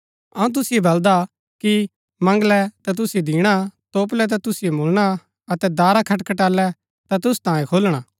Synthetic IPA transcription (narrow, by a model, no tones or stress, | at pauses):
ɐũt̪̬ʊsɪebɐld̪a | ki | mɐ̃ŋɡlɛt̪at̪̬ʊsied̪ĩːɽ̃at̪oːp̬lɛt̪̬at̪ʊsɪemʊlɽ̃a | ɐt̪ɛd̪aːɾakʰɐʈkɐʈaːlɛ | t̪at̪ʊst̪ãːjẽkʰoːlɽ̃aː